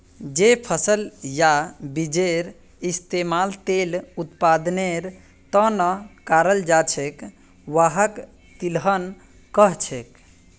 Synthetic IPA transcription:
d͡ʒepʰəsəljabid͡ʒeɾ | ist̪emalt̪elut̪pad̪neɾ | t̪ənəkaɾəld͡ʒat͡ʃʰek | ʋaɦək | t̪ilɦən | kəɦt͡ʃʰek

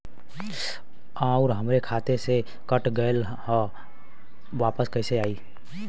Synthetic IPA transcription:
aʊɾɦəmɾekʰaːt̪ese | kəʈɡəl | hə | ʋaːpəskəɪseaːiː

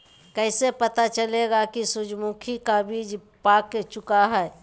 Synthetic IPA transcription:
kəɪsepət̪at͡ʃəleɡakisʊd͡ʒmukʰikabʱid͡ʒ | paːkːet͡ʃʊkaɦɛ

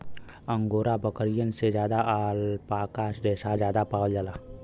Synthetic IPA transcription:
ə̃ŋɡoːɾabəkəɾijənsed͡ʒjaːd̪aʔaːlpaːkaːsɾeːʃad͡ʒjaːd̪apaːwld͡ʒalaː

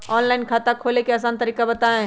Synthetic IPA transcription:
ɔːnlaːɪnkʰaːt̪akʰoːlekeɐs̬aːnt̪ɐɾiːkabɐt̪aẽ

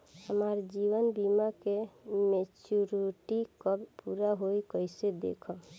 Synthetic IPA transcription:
həmaɾd͡ʒiʋənbimakemet͡ʃuɾiʈikəbpuɾaɦojkəɪsed̪ḛkʰə

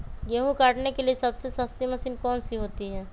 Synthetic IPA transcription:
ɡeɦũkaːʈnekeliesɐbsesɐst̪imɐsiːnkɔːnsiɦoːt̪iɦɛː

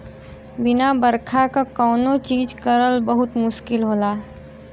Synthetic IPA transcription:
bɪnabəɾkʰakakɔːnot͡ʃiːd͡ʒkəɾəlbəɦʊt̪mʊʃkɪlɦoːlaː

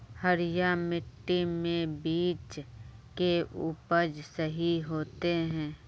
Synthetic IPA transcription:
həɾjamɪʈːimẽbiːt͡ʃkeʔʊpəd͡ʒsəɦiɦoːt̪eɦɛ̃ː

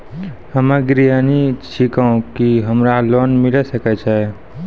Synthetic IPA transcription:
həmɛ̃ɡɾijaniʃʰikaũkiɦəmɾalonmɪləsəkɛt͡ʃʰɛ

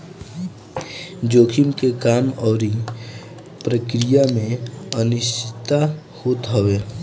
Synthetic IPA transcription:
d͡ʒoːkʰimkekaːmɔːɾi | pɾəkɾijamẽənɪʃtʰɪt̪a | hoːt̪ɦəʋeː

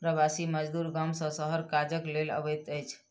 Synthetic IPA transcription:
pɾəbasiməd͡ʒd̪uɾɡamsə̃səɦəɾkad͡ʒəklelə̰bəjt̪əjt͡ʃʰ

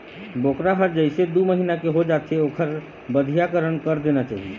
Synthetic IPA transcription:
bokɾabʰəɾd͡ʒəɪsed̪uməɦinakeɦod͡ʒat̪ʰeoːkʰəɾ | bəd̪ʱijakəɾənkəɾd̪enat͡ʃa̰ːɦi

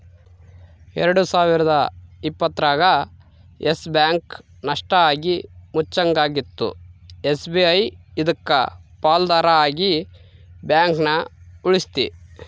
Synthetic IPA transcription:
ɛɾɐɽusaːʋiɾɐd̪ɐipːɐt̪ːɾaːɡɐ | esbjaːŋk | nɐʂʈɐaːɡimut͡ʃːɐŋɡaːɡit̪ːṵesbiɐjid̪ɐkːɐ̰paːld̪aːɾɐaːɡi | bjaːŋknɐuɭist̪i

